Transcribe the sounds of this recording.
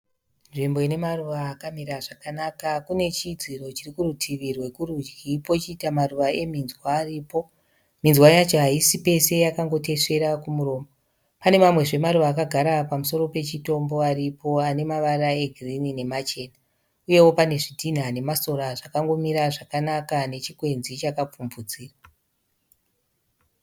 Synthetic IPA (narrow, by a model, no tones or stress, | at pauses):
nʐimbo̞ine̞maruʋaːkamiɾaʐakanakakune̞t͡ʃid͡ziro̞t͡ʃirikurutʰiʋirwe̞kurud͡ʒɡipo̞t͡ʃiːtamaruʋae̞minzwaːriːpo̞ | minzwajat͡ʃoɦaisipe̞se̞jakaŋɡo̞te̞ʂe̞ɾakumuɾo̞ːmbo | pane̞mamwe̞ʐe̞maruʋaːkaɡʱaɾapamuso̞ɾo̞pe̞t͡ʃito̞mbo̞aɾipo̞ane̞maʋarae̞ɡʱirinine̞mat͡ʃe̞ːna | uje̞wo̞pane̞ʐitʰin̤ane̞maso̞ɾaʐakaŋɡo̞miɾaʐakanakane̞t͡ʃikwe̞nzit͡ʃakap͡fumvud͡ziːra